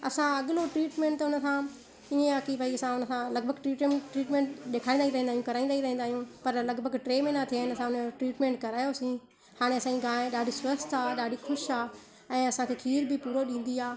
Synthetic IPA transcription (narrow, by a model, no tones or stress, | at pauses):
ɐsãɐɠloʈɾiːʈmẽːɳʈ̪ːʊnəsã | iẽaːkibʱaiɐsãʊnəsãlɐɡ̚bʱəɡʈɾiːʈʈɾiːʈmẽːɳʈɗekʰaːĩnd̪aɦiɾɐɦĩːnaːɦjũkɐɾaːĩnd̪aːiɾɐɦĩnd̪aːijũːpɐɾlɐɡbʱəɡʈɾeːmẽnat̪ʰianɐsãʊnʈɾiːʈmẽːɳʈkɐɾaːjosĩː | haːɽ̃eɐsãĩɡaːẽɗaːɖʱiswɐst̪aːɗaːɖʱixʰʊʃaː | ɛ̃ːɐsãkʰeːkʰiːɾbʱɪpuːɾoɗĩːn̆d̪iaː